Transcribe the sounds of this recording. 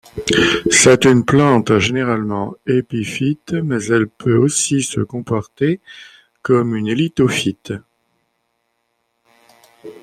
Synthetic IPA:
sɛt̪ynplɑ̃t̪ʒeneʁalmɑ̃epifit̪mɛzɛlpʰøosisə̰kɔ̃pɔʁt̪e | kɔmynelit̪ofit̪

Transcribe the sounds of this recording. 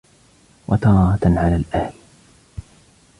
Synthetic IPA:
wʔɑt̪ɑːɾɑt̪ʕalaːlʔahl

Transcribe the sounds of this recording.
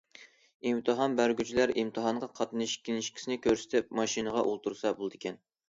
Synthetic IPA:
imt̪ʰɨɦɑnbæɾɡʲyt͡ʃʰilæɾimt̪ʰɨɦɑɴʁɑqʰɑt̪nɨʃkʲʰːilnɪʃkʲʰsɪnɪkʲʰøɾsɪ̥t̪ʰɪp̚mɑʃinəʁɑʔolˠt̪ʰuɾsɑbolˠɨd̪ɪkʲʰɛn

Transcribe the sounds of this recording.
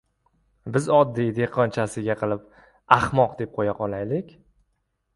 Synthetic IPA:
bɪzɒd̪ːijd̪eqʰɒnt͡ʃʰasɪɡʲaqʰɨlˠɪp | aχmɒqd̪e̞p̚qʰojaqʰɒlˠajlɪkʲ

